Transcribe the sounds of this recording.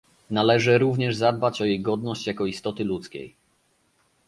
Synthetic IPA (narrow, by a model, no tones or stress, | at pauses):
nalɛʐɘɾuvɲɛʐzad̪̚bat͡ɕɔjejɡɔd̪nɔɕt͡ɕjakɔist̪ɔt̪ɘlut̪skʲḛj